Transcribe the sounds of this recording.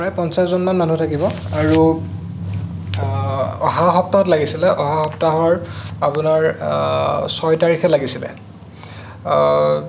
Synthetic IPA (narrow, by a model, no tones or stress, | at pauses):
pɹajpɔnsaszonmanman̤utʰakibɔ | aɹu | ɔɦaxɔp̚taɦɔtlaɡisilɛʔɔɦaxɔptaɦɔɹapunaɹ | sɔjtaɹikʰɛlaɡisilɛ̰